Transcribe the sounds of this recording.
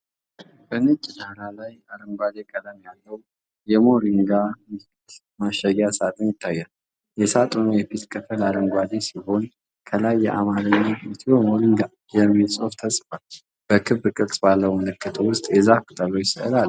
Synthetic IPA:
b̥ənɨt͡ʃʼinaɾalajaɾəŋɡʷad̪ekʼəd̪ləmjalːəw | jɛmo̞ɾiŋɡa | t̪ | maʃəɡasat̪ʼɨnjɪt̪ʰːajːal | jɛsat̪ʼunujɛfit̪kʰɨfəlaɾəŋɡʷwad̪esiɦo̞n | kʰəlajːɛʔa̰maɾəɲːait̪ʰiwomo̞ɾiŋɡa | jɛmːisʼo̞ft̪ʰəsʼfal | b̥əkʰɨβːkʼɨɾsʼbalːəwməlɨkʰːɨt̪ʰəwʊst̪ʼjɛzakɨt̪ʼəlojsəʔɨlal

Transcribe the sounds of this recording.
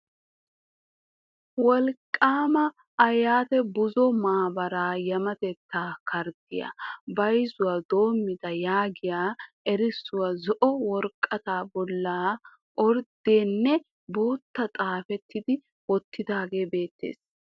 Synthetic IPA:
wɔlkʼːaːmɐː | jaːt̪ɛbʊzɔmaːbɐɾaːjɐmɐt̪ɛt̪ːaːkɐɾd̪ɪjɐ̰bɐjzʊwaːd̪o̞ːmːɪd̪ɐjaːɡɪjaː | ɛɾɪsːʊwazɔʔɔwɔɾkʼːɐt̪aːbɔlːaː | ʔɔɾd̪eːnːɛ | boːt̪ːɐt̪ʼaːfɛt̪ːɪd̪ɪ | wɔt̪ːɪd̪aːɡe̞ːbe̞ːt̪ːḛːs

